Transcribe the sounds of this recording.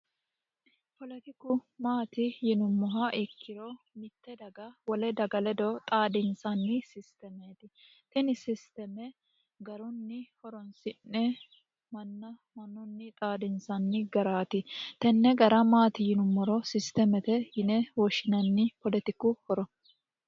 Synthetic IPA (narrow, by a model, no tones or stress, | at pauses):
pɔlɛt̪ɪkːʊmaːt̪ɪjɪnʊmːɔɦɐʔɪkːɪɾɔ | mɪt̪ːɛd̪ɐɡɐwɔlɛd̪ɐɡɐlɛd̪ɔt̪ʼaːd̪ɪnsɐnːɪsɪst̪ɛmeːt̪ɪ | t̪ɛnɪsɪst̪ɛmɛ | ɡɐɾɔnːɪhɔɾɔnsɪnːɛ | mɐnːɐmɐnːɔnːɪt̪ʼaːd̪ɪnsɐnːɪɡɐɾaːt̪ɪt̪ɛnːɛɡɐɾɐmaːt̪ɪjɪnʊmːɔɾɔsɪst̪ɛmɛt̪ɛjɪnɛwɔʃɪnɐnːɪpɔlɛt̪ɪkːʊhɔɾɔ